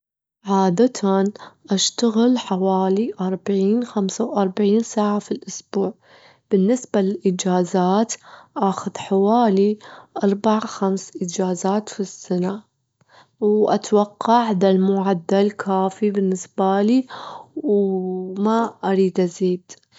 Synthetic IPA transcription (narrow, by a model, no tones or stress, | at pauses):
ʕaːd̪at̪ʰanʔaʃt̪aɣɪlħawaːliʔɑɾˤbaʕiːnxamsawʔɑɾˤbaʕiːnsaːʕafilʔʊsbuːʕ | b̥ɪnːɪsbalɪlʔɪd͡ʒaːzaːt̪ʔaxʊðħawaːliʔɑɾˤbaʕaxamsʔɪd͡ʒaːzaːt̪fisːana | wʔa̰t̪wɑqːɑʕðalmʊʕad̪ːalkʰaːfibɪnːɪsbaliwmaʔaɾiːd̪ʔaziːd̪